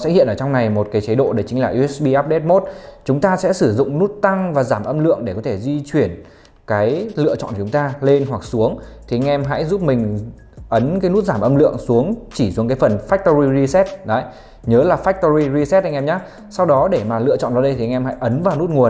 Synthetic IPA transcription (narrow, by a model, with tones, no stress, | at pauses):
sɛ̰˧˥hḭ˧˨ənʔəː˧˩t͡ɕɔ˧wŋ͡mna˨˩jmo˨˩t̚kaː˨˦jt͡ɕə˨˦ɗo̰˧˨ɗe˧˨˩jt͡ɕŋ̟laː˨˩ʔu˧ɛ˦˥sɓi˧ʔaː˦˥p̚ɗe˦˥t̚mo˦˥t̚t͡ɕʊ˨˦ŋ͡mt̪aː˧sɛ̰˧˥sɨ˧˩zʊ̰˧˨ŋ͡mnu˦˥t̚t̪a˧ŋvaː˨˩zaː˧˩mʔə˧mlɨ̰˧˨əŋɗe˧˩kɔ˨˦t̪ʰe˧˩zwi˧t͡ɕwi˧˩ən | kaː˨˦jlɨ̰˧˨ət͡ɕɔ̰˧˨nkːt͡ɕʊ˨˦ŋ͡mt̪aː˧le˧nɦwa˨˩k̚su˨˦əŋt̪ʰi˨˩a˧ŋʔɛ˧mɦa̰˧˥jzu˦˥p̚mï˨˩ŋ̟ | ʔə˨˦nkaː˨˦jnu˦˥t̚zaː˧˩mʔə˧mlɨ̰˧˨əŋsu˨˦əŋt͡ɕi˧˩su˨˦ŋkaː˨˦jfə˨˩nfaː˦˥k̚t̪o˧ɹi˧ɣi˧sɛ˦˥t̚ɗə˨˦j | ɲəː˨˦laː˨˩faː˦˥k̚t̪o˧ɾi˧zi˧sɛ˦˥t̚ha˧ŋʔɛ˧mɲaː˨˦˥ | sa˧wɗɔ˨˦ɗe˧˩maː˨˩lɨ̰˧ət͡ɕɔ̰˧˨nɗɔ˨˦ɗə˧jt̪ʰi˨˩ʔŋʔɛ˧mha̰˧˥jʔə˨˦nvaː˨˩wnu˦˥t̚ŋu˨˩ən